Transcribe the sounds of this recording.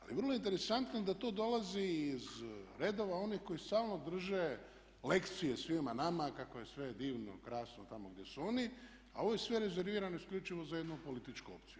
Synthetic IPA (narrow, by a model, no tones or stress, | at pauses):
a̰lḭʋər̩loint̪eɾe̞sant̪noed̪at̪o̞ːd̪o̞laziːzɾed̪o̞ʋao̞nixko̞jist̪aːlˠno̞d̪r̩ʒe | le̞kt̪sije̞sʋimanamakakoje̞sʋe̞d̪iːʋno̰kɾaːsnot̪amoɡd̪jesuo̞ni | a̰o̞ʋo̞je̞sʋeɾe̞ze̞ɾʋiːɾanoiskʎʲut͡ʃiʋo̞zajed̪nupo̞lit̪it͡ʃkuo̰pt̪siju